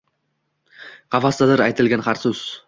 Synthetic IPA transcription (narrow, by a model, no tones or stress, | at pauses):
qʰɑvast̪ad̪ɪɾajt̪ʰɪlɡʲanχaɾsʊz̥